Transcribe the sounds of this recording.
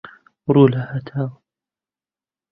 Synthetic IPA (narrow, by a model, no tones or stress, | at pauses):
ɾuːlahat̪ʰaːw